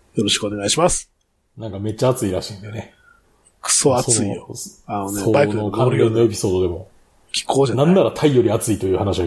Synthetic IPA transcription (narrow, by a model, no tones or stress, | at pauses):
jo̞ɾo̞ɕi̥kɯone̞ɡaiɕimasɨ̥ | nãŋkame̞t͡ɕːaːt͡sɨiɾaɕĩːnd̪e̞ne̞ | kɯ̥soasoɨianoneobanokʰãɾenːoe̞pʲi̥so̞ːd̪o̞d̪e̞mo̞ | kʲi̥kʰːoːanãnːaɾat̪ʰaijo̞ɾʲiat͡sɨit̪o̞jɯ̟ːhanaɕia